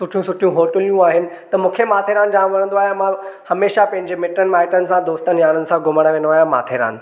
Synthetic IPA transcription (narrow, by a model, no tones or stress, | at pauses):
sʊʈʰijũsʊʈʰijũɦoːʈəlijũaːɦɪnɪ̆ | t̪ɐmũːkʰemaːt̪ʰeːɾãːnd͡ʑaːmʋɐñə̃nd̪oaːɦemãhɐmeːʃapɐ̃ɦɪ̃ɲd͡ʑemɪʈənɪmaːɪʈənɪ̆sãd̪oːst̪ənɪjaːnənɪ̆sãɡʊməɽ̃ʋẽːnoaːjãma̰ːt̪ʰeːɾa̰ːn̆